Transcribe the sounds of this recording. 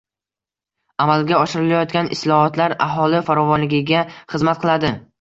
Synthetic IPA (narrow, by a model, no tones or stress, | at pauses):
amalɡʲaɒʃɪɾɪlajɒt̪ɡʲanɪ̰slˠɒhɒt̪laɾa̰ɦɒlɪfaɾɒvɒnlɪɡʲɪɡʲaχɨzmat̪̚qʰɨlˠad̪ɪ